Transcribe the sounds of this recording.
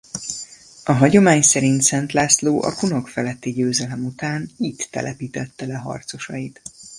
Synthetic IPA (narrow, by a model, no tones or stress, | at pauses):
ɒɦɒɟo̞maːɲsɛɾint̪sɛnt̪laːsloːʔɒ̰kuno̞kfɛlɛt̪ːiɟøːzɛlɛmut̪aːnit̪ːɛ̰lʔɛpiːt̪ɛt̪ːɛlɛɦɒ̰rt̪so̞ʃɒjit̪